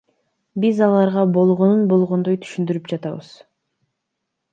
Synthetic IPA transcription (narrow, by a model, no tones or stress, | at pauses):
bizɑlˠɑɾʁɑbo̞lˠʁo̞nunbo̞lˠʁo̞nd̪o̞jt̪ʰy̥ʃynd̪yɾypd͡ʒɑt̪ɑ̰βɯ̰z̥